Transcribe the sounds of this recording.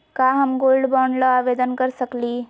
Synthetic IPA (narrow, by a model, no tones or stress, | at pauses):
kaɦəmɡoːlɖbɔːnləaʋed̪ənkəɾsəkli